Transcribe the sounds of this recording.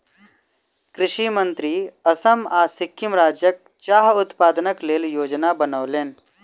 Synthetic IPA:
kɾɪʃimə̃nt̪ɾiːɐsəmaːsɪkʰːɪmɾaːd͡ʒjək̚ | t͡ʃaːɦʊt̪paːd̪nəkleːljoːd͡ʒnabənəːleːn

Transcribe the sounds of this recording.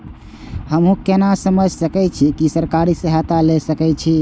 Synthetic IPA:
həmɦũkenasəməd͡ʒʱsəkɛt͡ʃʰikisəɾkaɾisəɦat̪alesəkɛt͡ʃʰi

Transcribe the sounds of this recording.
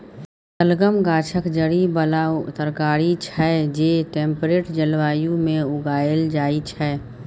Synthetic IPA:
t̪əlɡəmɡaːt͡ʃʰəkd͡ʒəɽibəlaːt̪əɾkaːɾit͡ʃʰɛd͡ʒeːʈẽːmpɾeːʈd͡ʒəlʋaːjũmẽʊɡaːəld͡ʒaːit͡ʃʰɛː

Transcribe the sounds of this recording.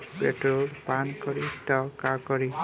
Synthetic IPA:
peʈɾolpankɔɾitɔkakɔɾi

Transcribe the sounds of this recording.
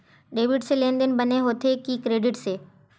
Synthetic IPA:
ɖeːʋɪɖselẽːnd̪ənbəneɦoːt̪ʰekikɾeːɖɪʈseː

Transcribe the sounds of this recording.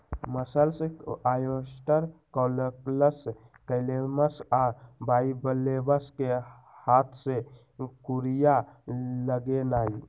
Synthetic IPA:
məsəlsẽajosʈəɾkɔləpləs | kəleməsabaibəlːebəske | hat̪ʰsẽ | kuɾijaləɡenai

